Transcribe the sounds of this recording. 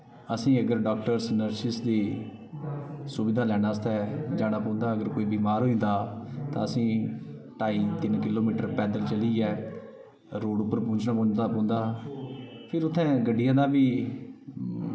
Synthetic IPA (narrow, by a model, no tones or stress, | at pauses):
əsĩːəɡəɾɖɔːk̚ʈəɾsnəɾʃɪsd̪eː | sʊbɪd̪aːlɛːɽ̃aːst̪ɛːd͡ʒãːɽaːpɔ̃ːnd̪aːəɡəɾkoːiːbiːmaːɾɦoːĩːnd̪aːt̪ã̰ːəsĩː | ʈaːiːt̪ɪnkɪloːmiːʈəɾpɛːd̪əlt͡ʃəliːɛː | ɾoːɖʊpːəɾpõːɲt͡ʃnaːpõːd͡ʒd̪aːpɔ̃ːnd̪aː | pʰɪɾʊt̪ʰːɛ̃ːɡəɖːɪjãːd̪aːʋiː